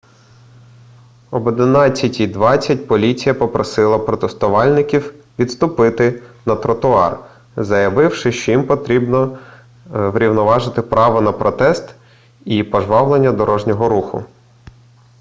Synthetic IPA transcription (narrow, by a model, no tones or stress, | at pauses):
ɔbɔd̪ɪnɑt͡sʲːɐtʲid̪ʋɑt͡sʲːɐtʲpɔlʲit͡sʲijɐpɔpɾɔsɪlˠɐpɾɔt̪est̪ʊʋɑlʲnɪkʲiw | ʋʲid̪t̪st̪ʊpɪt̪ɪnɐt̪ɾɔt̪ʊɑ̰r | zɐjɐʋɪwʃɪʃt͡ʃɔjimpɔt̪ɾʲibnɔ | ʋɾʲiwnɔʋɑʒɪt̪ɪpɾʔɑʋɔnɐpɾɔt̪ɛst̪ | ipɔʒʋɑwlˠenʲːɐd̪ɔɾɔʒnʲɔɦɔɾuxʊ̰